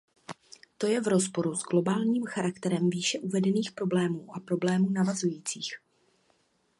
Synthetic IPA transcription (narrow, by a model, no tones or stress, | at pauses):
t̪o̞jɛvɾo̞spo̞ɾuzɡlo̞baːlɲiːmxaɾakt̪ɛɾɛmviːʃɛʔuvɛdɛniːxpɾo̞blɛːmuːʔapɾo̞blɛːmuːnavazujiːt͡siːx